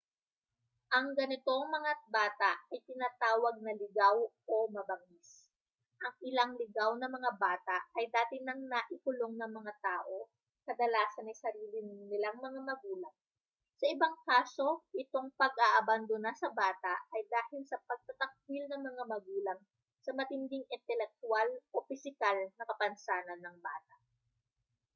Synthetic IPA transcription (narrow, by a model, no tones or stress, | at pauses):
ʔɐŋɡɐnɪt̪o̞ŋmɐŋabaːt̪aʔɐjt̪ɪnaːt̪aːwɐɡ̚nɐlɪɡawʔo̞mɐbɐŋis | ʔɐŋʔɪlaŋlɪɡawnɐmɐŋabaːt̪aʔɐjd̪aːt̪ɪnɐŋnaʔɪkʊloŋnɐŋmɐŋat̪aːʔo̞ | kɐd̪ɐlaːsɐnɐjsɐɾiːlɪnɪŋnɪlaŋmɐŋamɐɡuːlɐŋ | sɐʔɪbaŋkaːso̞ʔɪt̪o̞ŋpɐɡ̚ʔaʔɐband̪onɐsɐbaːt̪ɐʔɐjd̪aːhɪlsɐpɐɡ̚t̪ɐt̪ɐk̚bilnɐŋmɐŋamɐɡuːlɐŋ | sɐmɐt̪ɪnd̪ɪŋɪnt̪ɛlɛk̚t̪ʊalʔo̞pɪsɪkalnɐkɐpɐnsaːnɐnːɐŋba̰ːt̪ɐʔ